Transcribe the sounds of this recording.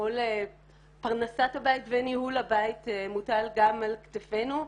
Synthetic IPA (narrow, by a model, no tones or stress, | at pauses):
ole | paʁnasathabaitvenihulabaitemutalɡamalktefenu